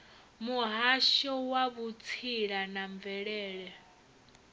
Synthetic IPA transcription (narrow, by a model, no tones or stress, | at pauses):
muɦaʃɔwaβut͡sʰiɺanaɱvɛɺɛːɺɛ